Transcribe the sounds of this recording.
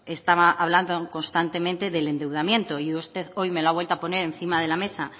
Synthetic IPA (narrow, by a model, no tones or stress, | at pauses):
e̞st̪aβaʔaβ̞land̪oko̞nst̪ant̪e̞mẽnt̪e̞ðe̞le̞nd̪e̞wð̞amje̞nt̪oiust̪e̞ðo̞jme̞loaβwelt̪oapo̞ne̞ɾẽ̞nθimaðe̞lame̞sa